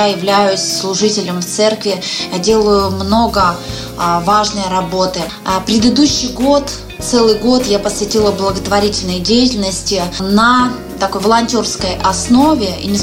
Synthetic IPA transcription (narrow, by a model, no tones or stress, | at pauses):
ajɪvlʲæjʊsʲslˠʊʐɨtʲɪlʲəmft̪sɛrkvʲɪjadʲe̞lˠʊjʊmno̞ɡə | vaʐnəjɾɐbo̞t̪ɨ | pɾʲɪd̪əd̪uɕːɨjɡo̞t̪ | t̪sɛlˠɨjɡo̞t̪japəsvʲɪtʲilˠəblˠəɡət̪vɐɾʲitʲɪlʲnəjdʲejɪtʲɪlʲnəsʲtʲɪnə | t̪ɐko̞jvəlˠɐnʲtʲo̞rskəjʔɐsno̞vʲɪḭnʲɪ